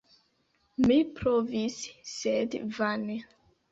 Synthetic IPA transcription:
mipɾovisːedvane

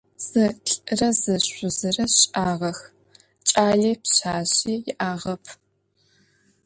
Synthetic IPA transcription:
z̥ɨɬʼɨrɐzɨɕʷʊzɨrɐɕʼaːʁɐx | t͡ʃʼaːɮiːpɕaːɕiːjɪʔaːʁɐpʰ

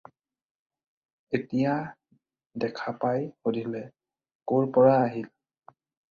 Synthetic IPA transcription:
etija | dɛkʰapajxodʱilɛ | koɹpɔɹaːɦil

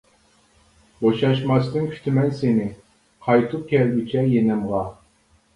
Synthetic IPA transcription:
boʃɑʃmɑsnɨŋkʲʰy̥t̪ʰɪmɛnsenɪ | qʰɑjt̪ʰup̚kʲʰɛlɡʲit͡ʃʰɛjenɛmʁɑ

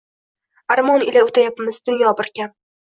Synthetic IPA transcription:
aɾmɒnɪlaʊt̪ʰajapmɪzd̪ʊnjɒbɪɾkʲan

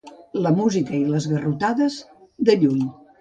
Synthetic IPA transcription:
ləmuzikəiləzɣərut̪aðəzd̪əʎuɲ

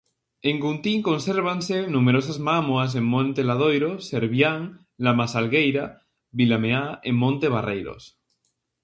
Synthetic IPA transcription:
eŋɡunt̪iŋko̞nseɾβ̞ansenũmeɾos̬azmamwas̬emmõnt̪elað̞o̞jɾoseɾβjaŋ | lamasalɣejɾa | βilameaemːõnt̪eβ̞arejɾo̰s

